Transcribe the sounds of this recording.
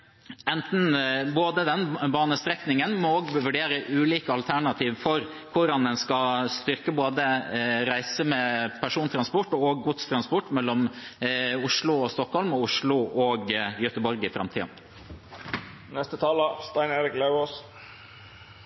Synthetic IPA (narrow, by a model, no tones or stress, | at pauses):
ɛnt̪n̩boːd̪əd̪ɛnbɑːnəst̪ɾɛknɪŋənmɔoːɡʋʋʉɖeːɾəʔʉːliːkəɑlt̪ʰæɳɑt̪ʰiːʋfɔɾ | kʰʊɾɑnd̪ɛnskɑst̪ʏɾkəboːd̪əɾæɪsəmɛːpʰæʂuːnt̪ʰɾɑnspɔʈːoɡːʊt̪st̪ʰɾɑnspɔʈːmɛlːɔm | ʊʂlʊɔst̪ɔkhɔlmɔʊʂɭʊʔɔːɡjœt̪əbɔɾɡɪfɾɑ̰mt̪ʰḭːɑ̰n | nɛst̪ət̪ʰɑːləst̪ɑɪneːɾɪklɑʉos